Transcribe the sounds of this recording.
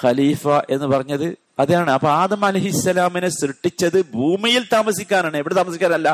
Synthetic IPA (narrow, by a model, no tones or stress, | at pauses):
xɐliːfɐʔe̞nːɨpɐrɐɲːɐðɨ | ɐðjaːɳɨɐpoaːðɐmɐlɐjhisːɐlaːminesrɨʈːit͡ɕːɐðɨbʱuːmijilt̪aːmɐsikʲːaːnaːɳɨeʋiɽet̪aːmɐsikʲːaːnɐlːɐ